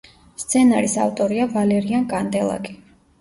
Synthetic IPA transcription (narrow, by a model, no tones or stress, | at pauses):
st̪sʰɛnaɾisa̰ft̪ʼɔɾiavalɛɾiankʼand̪ɛlˠa̰kʼi